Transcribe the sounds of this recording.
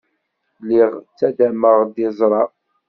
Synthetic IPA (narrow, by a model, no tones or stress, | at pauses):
liʁt͡sːæd̪æməʁd̪izˤɾˤɑ